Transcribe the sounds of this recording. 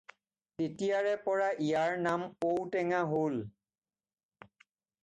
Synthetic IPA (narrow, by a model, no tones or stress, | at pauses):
tetijaɹɛpɔɹaʔijaɹnamkowtɛŋaɦol